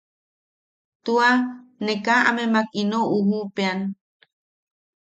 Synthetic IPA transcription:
t̪uanekaa̰memakinoʔuhupean

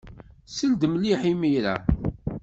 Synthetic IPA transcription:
səld̪mliħimijɾa̰

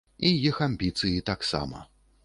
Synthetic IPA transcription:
ijixamʲbʲit̪sɨjit̪aksa̰mɐ̰

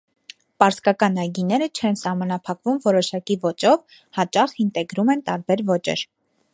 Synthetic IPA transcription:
pɑɾskɑkɑnɑjɡinɛɾət͡ʃʰɛnsɑhmɑnɑpʰɑkvumvɔɾɔʃɑkivɔt͡ʃɔv | hɑt͡ʃɑχint̪ɛɡɾumɛnt̪ɑɾbɛɾvɔt͡ʃɛ̰ɾ

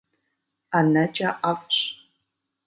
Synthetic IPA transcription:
anɐt͡ʃʼɐʔafɕ

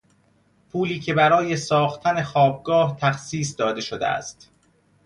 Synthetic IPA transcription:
pʰuːliːcʰe̞bæɾɒːje̞sɒːxt̪ʰænexɒːb̚ɡɒːht̪ʰæxsiːs̬d̪ɒːd̪e̞ʃod̪ḛæ̰st̪

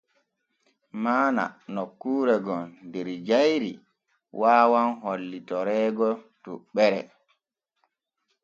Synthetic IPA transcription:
maːna̰nɔkːuːɾɛɡɔndɛɾd͡ʒajɾḭ | wʔaːwanɦolːitɔɾɛːɡɔtuɓɛɾɛ̰

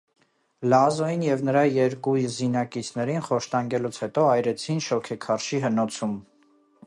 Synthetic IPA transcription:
lɑzɔjinjɛvnəɾɑjɛɾkujzinɑkit͡sʰnɛɾinχɔʃt̪ɑŋɡɛlut͡sʰhɛt̪ɔɑjɾɛt͡sʰinʃɔkʰɛkʰɑɾʃiɦənɔt͡sʰum

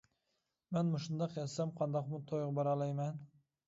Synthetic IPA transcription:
menmʊʃʊnd̪ɑqjɑsːamqʰɑnd̪ɒqmʊt̪ʰojʁbaɾalˠajman

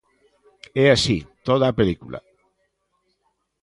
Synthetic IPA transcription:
ɛasit̪oð̞aːpelikula̰

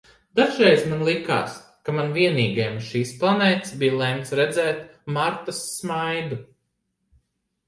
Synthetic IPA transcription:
d̪̥aʒɛjzmanlˠika̰ːs | kamanviɛniːɡɛjmʃiːsplˠanɛːt̪sbijlˠɛmt̪sɾɛd̪zɛːt̪maɾt̪asːmajd̪u

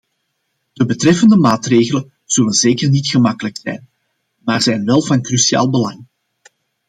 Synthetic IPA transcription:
d̥əbətrɛfəndəmaːtreːɣələn | z̥ɵlənzeːkərnitxəmɑkələksɛ̰jn | maːrzɛjnʋɛlˠvɑnkrysia̰ːlˠbəlɑŋ

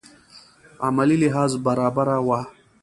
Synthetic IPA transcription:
a̰maliliɦɑːzbaɾaːbaɾawa

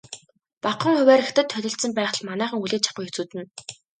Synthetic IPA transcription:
paqə̆ŋχʊwæːɾext̪ɘ̆t̪ʰːœɮʲɪ̆ɬt̪sə̆mpæːχ̆ɮmanæːχə̆ŋuɮeːt͡ɕʰḁqʊːjxet͡suːt̪ɘ̆n

